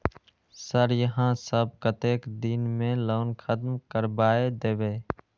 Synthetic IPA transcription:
səɾjəɦãːsəb̚kət̪eːkd̪iːnmẽːloːnkʰəd̪mkəɾbaːeːd̪eːʋeː

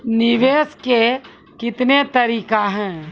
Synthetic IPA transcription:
nɪʋeːske | kɪt̪net̪ɐɾiːkaɦɛ̃ː

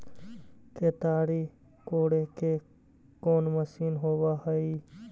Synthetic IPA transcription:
keːt̪aːɽiː | koːɽekʰeː | koːnməʃiːnɦoːʋaːhəiː

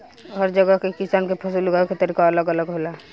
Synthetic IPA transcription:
ɦəɾd͡ʒəɡəɦkekisaːnkepʰəsulɡaket̪əɾiːkaələɡələɡɦola

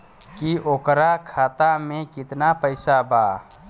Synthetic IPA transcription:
kioːkɾakʰaːt̪amẽkɪt̪napəɪsabaː

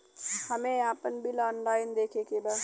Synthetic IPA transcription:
həmẽaːpənbʱilaːnlaːɪnd̪eːkʰekeba

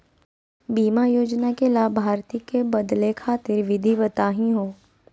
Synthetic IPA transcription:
biːmajoːd͡ʒnakelaːbʱaːɾt̪ikebɐd̪lekʰaːt̪ɪɾʋɪd̪ʱibət̪aːɦĩɦoː

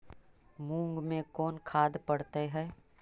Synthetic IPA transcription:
mũːŋɡmẽkɔːnkʰaːd̪pɐɽt̪eɦɛː

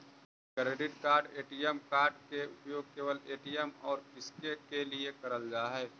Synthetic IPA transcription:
kɾeːɖɪʈkaːɾɖeːʈijəmkaːɾɖkeʊpjoːɡ̚keːʋəleːʈijəmɔːɾpɪskekeliekɐɾəld͡ʒaːɦɛː

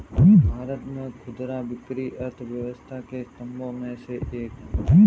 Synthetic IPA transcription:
ibʱaːɾət̪mẽkʰʊd̪ɾabɪkɾiʔəɾt̪ʰʋjəʋəst̪ʰakest̪əmbõmẽseʔeːk

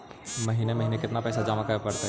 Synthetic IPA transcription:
mɐɦiːnemɐɦiːnekɪt̪napɛːsad͡ʒaːmakapɐɽt̪a

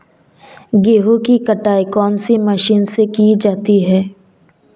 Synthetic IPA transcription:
ɡeːɦukikɐʈaːikɔːnsimɐʃiːnsekid͡ʒaːt̪iɦɛː

